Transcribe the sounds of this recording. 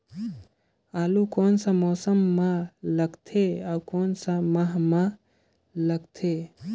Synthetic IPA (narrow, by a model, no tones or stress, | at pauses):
aːlukonsə̃mɔːsəmːaləɡt̪ʰeaukoːnsãmaɦma | ləɡt̪ʰe